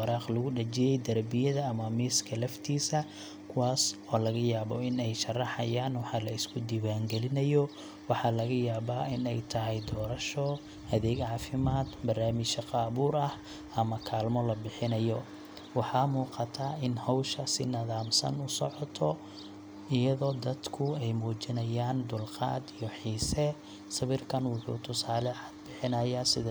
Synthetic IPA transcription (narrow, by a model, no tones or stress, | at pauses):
wɑɾɑːqlʊɣʊɖɐt͡ʃɛjɛjd̪ɐrbɪjɐðɐːmɐmiːskʰɐlɐft̪ʰiːsɐ | kʰʊwɑːsɔːlɐɣɐjaːβɔɪnɛjʃɐrːɑħɑ̰jaːnwɑħɑːlɐɪskʰʊd̪iwaːŋɡɛlɪnɐjɔ | wɑħɑlɐɣɐjaːβaːʔɪnɛjt̪ʰɐɦɛjd̪ɔːɾɐʃɔ | ɐðɛːɡʕɑːfɪmaːd̪bɐrnaːmɪʃɐqɑːβuːɾɐh | ɐmɐkʰaːlmɔlɐbɪħɪnɐjɔ | wɑħɑmuːqɑt̪ʰaːɪnhɔwʃɐsɪ̰nɐðaːmsɐ̰nʊsɔ̰ʕɔt̪ʰɔ | ɪjɐðɔːd̪ɐd̪kʰʊɛjmuːt͡ʃɪnɐjaːnd̪ʊlqɑ̰ːd̪ijɔħiːsɛ | sɐβɪrkʰɐnwʊħṵːt̪ʰʊsaːlɛʕḁd̪̚bɪħɪnɐjaːsɪð